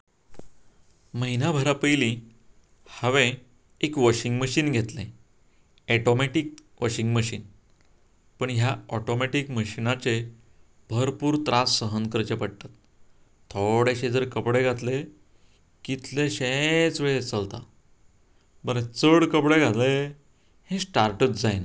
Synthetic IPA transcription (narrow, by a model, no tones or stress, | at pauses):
məɦinabʱəɾapəjlĩ | həʋẽ | ekʋɔɕiŋɡməɕiːnɡʱet̪lẽ | ɛʈomeʈik̚ | ʋɔɕiŋɡməɕiːn | pəɳɦjaɔʈomeʈikməɕinat͡se | bʱəɾpuːɾt̪ɾasːəɦənkəɾt͡ɕepəɽ̚t̪at̪̚ʰː | oɽeɕed͡zəɾkəpɽeɡʱat̪le | kit̪lẽɕet͡sʋeɭet͡səlt̪a̰ | bəɾẽt͡səɽkəpɽeɡʱale | hẽsʈaɾʈət͡sd͡zajna